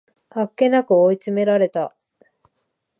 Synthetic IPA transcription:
hakːe̞nakɯ̟oit͡sɨme̞ɾaɾe̞t̪a

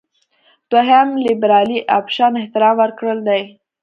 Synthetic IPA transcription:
t̪oɦamlɪbɾɑliʔa̰pʃɑnɪht̪ɪɾɑmwəɾkɽəld̪aj

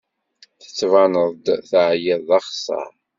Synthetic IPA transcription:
θə̥t͡sːvɑnəðˤd̪θəʕjɪðˤɑχsˤɑ̰ɾ

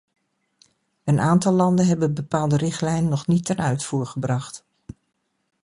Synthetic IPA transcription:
ənʔaːntɑlˠːɑndənɦɛbənbəpaːlˠdərɪχtlɛjnənːɔχnitːɛnœɥtfuːɹχəbrɑxt

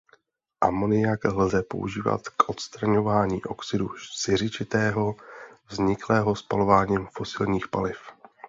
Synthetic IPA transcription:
ʔa̰mo̞nɪjaklzɛpo̞̰ʔṵʒiːva̰t̪kʔo̞t̪st̪ɾaɲo̞vaːɲiːʔo̞ksɪdusɪr̝ɪt͡ʃɪt̪ɛːɦo̞vzɲɪklɛːɦo̞spalo̞vaːɲiːmfo̞sɪlɲiːxpalɪf

